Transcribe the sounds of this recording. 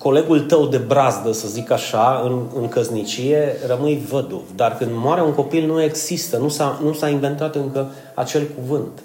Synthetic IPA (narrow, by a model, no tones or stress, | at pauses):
ko̞le̞ɡult̪əwd̪e̞bɾazd̪əsəzikaʃaɨnɨŋkəznit͡ʃije̞rəmɨjvəd̪ṵvd̪arkɨnd̪moaɾeuŋko̞pilnue̞ɡz̥ist̪ənusanusaiɱve̞nt̪at̪ɨŋkə | at͡ʃe̞lkuvɨnt̪